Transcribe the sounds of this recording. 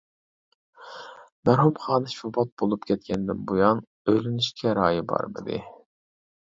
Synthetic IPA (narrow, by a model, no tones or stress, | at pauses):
mæɾɦumχɑːnɨʃfubɑt̪̚bolˠupkʲʰɛt̪̚kʲʰɛnd̪ɪnbujɑn | øjlɪnyʃkʲʰɛɾɑːjibɑ̰ɾmɪ̰d̪ɪ̰